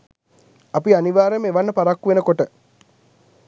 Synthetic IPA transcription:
apianiʋaːɾemeʋanːəpaɾakːuʋenəkoʈə

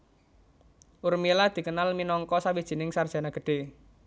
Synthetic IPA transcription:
ʔurmilad̪̥i̤kənalminɔŋkɔsawid̥ʒ̥i̤nɪŋsard̥ʒ̥a̤naɡ̥ə̤ɖ̥e̤

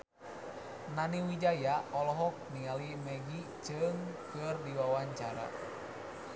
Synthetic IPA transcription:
naniwid͡ʒajaɔlɔɦɔk̚nialimɛɡi | t͡ʃɨŋkɨrdiwawaɲt͡ʃaɾa̰

